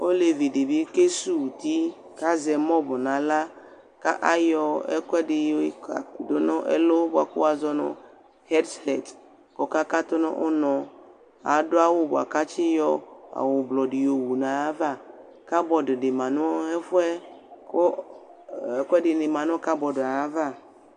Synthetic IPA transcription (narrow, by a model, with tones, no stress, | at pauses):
o˦le˨vi˨di˨bi˦ke˦su˦˨ti˦ | ka˦zɛ˨mɔ˦bɔ˨na˨la˦ | ka̰˦ʔa˦jɔ˧ɛ˦kʷɛ˦dɪ˧ja̰˨ku˨do˦nɔ˦ʔɛ̰˦lo˦ba̰˨kʊ̰˦a˨zɔ˦nɔ̰˨ | hɛ˦dhɛ˨t | kɔ˨ka˦ka˦to˦nɔ˦ʔo˦nɔ˨˧ | a̰˨dʊ˦a˦wʊ˦bʊ˨a̰˨ka˦t͡ʃɪ˦jɔ˦a̰˨wʊ˨blɔ˨dɪ˨jo˨wu˨nã˨a˦va˦˨ | ka˦bɔ˨dʊ˨dɪ˨mã˨nʊ̃˦ɛ˦fʊ˦ɛ˦ko˦ | ɛ˦kʷɛ˦dɪ˨nɪ˨mã˨nʊ˦ka˦bɔ˨dʊ˨a˨a˦va˦˨